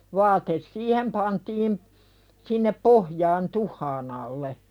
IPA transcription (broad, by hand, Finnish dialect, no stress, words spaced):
ʋɑːtes siːhem pɑntiːm sinːep pohjɑːn tuhˑɑːn ɑlːe